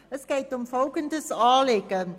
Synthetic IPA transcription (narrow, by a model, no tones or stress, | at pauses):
əskɛjtɔmfowkəntəsɑːlɛkə